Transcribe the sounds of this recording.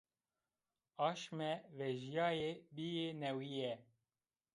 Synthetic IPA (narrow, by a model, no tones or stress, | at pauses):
ɑːʃmɛvɛʒijɑːjebijenɛwijɛ